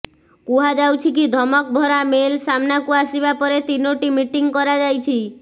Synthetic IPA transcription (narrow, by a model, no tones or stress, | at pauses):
kuɦad͡ʒawt͡ʃʰikid̪ʱɔmɔk̚bʱɔɾamelsamnakuasibapɔɾet̪inoʈimiʈiŋkɔɾad͡ʒajt͡ʃʰi